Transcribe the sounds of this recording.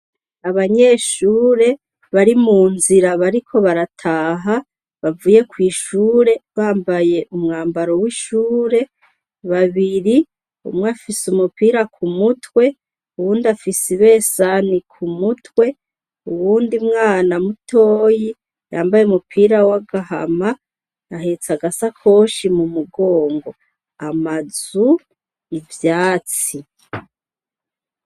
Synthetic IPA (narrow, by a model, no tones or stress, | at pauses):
aβaɲe̞ːʃuːɾe̞ | βaɾimuːnziɾaβaɾikʰo̞βaɾatʰaːɦa | βavuːje̞kwiːʃuːɾe̞βaːmbaje̞ʔumŋaːmbaɾo̞wiːʃuːɾe̞ | βaβiɾi | ṵmŋweafisumupiːɾakʰumutwe̞ | uwuːndiafisiβe̞ːsanikʰumutwe̞ | uwuːndimŋaːnamutʰoːji | ja̰ːmbajeumupʰiːɾawaɡaɦa̰ma | naɦet͡saɡasakʰo̞ːʃimumuɡo̞ːŋɡo̞ | amazu | nivjaːt͡si